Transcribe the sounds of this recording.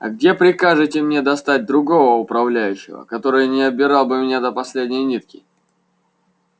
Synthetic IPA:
ɐ̰ɡ̚dʲe̞pɾʲɪkaʐɨtʲɪmnʲe̞d̪ɐst̪at̚ʲd̪ɾʊɡo̞vəʊpɾɐvlʲæjʉɕːɪ̰və̰kɐt̪o̞ɾɨjnʲɪɐbʲɪɾɑlˠbɨmʲɪnʲad̪əpɐsʲlʲedʲnʲɪjnʲit̪̚kʲɪ

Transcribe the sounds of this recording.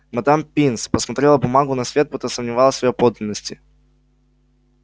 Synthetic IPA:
mɐd̪ampʲinspəsmɐt̪ɾʲelˠəbʊmaɡʊnɐsvʲe̞t̪̚put̪əsəmnʲɪvalˠəsʲvɐjopod̪lʲɪnːəsʲtʲɪ

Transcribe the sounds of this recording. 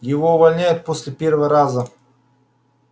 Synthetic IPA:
jɪvoʊvɐlʲnʲæjɛt̪̚posʲlʲɪpʲeɾvəɾazə

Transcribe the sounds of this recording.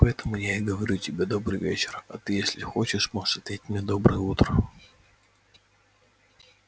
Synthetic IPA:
pɐɛt̪əmʊjaɪɡəvɐɾʲutʲɪbʲed̪o̞bɾɨjvʲḛt͡ɕɪrɐt̪ɨjesʲlʲɪxot͡ɕɪʂmo̥ʂɐt̪ʲetʲmnʲed̪o̞bɾɨjəut̪ɾə

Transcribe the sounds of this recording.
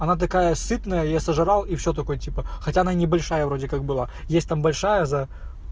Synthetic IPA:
ɐnat̪̬ɐkajəsɨt̪nəjəjasəʐɨɾalˠifsʲot̪̬ɐko̞jətʲipəxɐtʲaɐnanʲɪbɐlʲʂajəvɾo̞dʲɪkak̚bɨlˠa | jesʲt̚ʲt̪ambɐlʲʂajəzɐ

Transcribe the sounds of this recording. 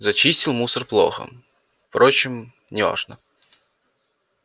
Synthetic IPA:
zɐt͡ɕisʲtʲɪlˠmusərplˠo̰xə̰ | fpɾot͡ɕɪm | nʲɪva̰ʐnə

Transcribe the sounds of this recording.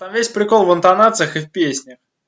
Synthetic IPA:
t̪amvʲesʲpɾʲɪko̞lˠvɨnt̪ɐnat̪sɨjəxɨfpʲesʲnʲəx

